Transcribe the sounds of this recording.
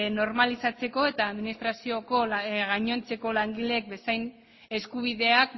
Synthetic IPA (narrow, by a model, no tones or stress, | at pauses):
no̞ɾmalisat͡se̞ko̞e̞t̪aːðminist̪ɾasio̞ko̞ɣaɲo̞nt͡se̞ko̞laŋɡilek̚be̞sajn | e̞skuβ̞iðe̞ak̚